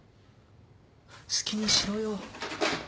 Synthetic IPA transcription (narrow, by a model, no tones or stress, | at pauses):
sɨ̥kʲiɲ̟iɕiɾojoː